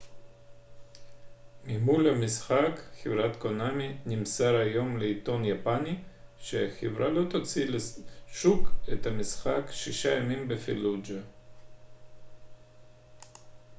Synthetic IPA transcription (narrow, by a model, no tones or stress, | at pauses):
mimulamisχakχevɾat̪konaminimsaɾajo̞mleit̪o̞njapaniʃeaxevɾalo̞t̪ot͡sileʃuket̪hamisχakʃiʃajamimbefilud͡ʒa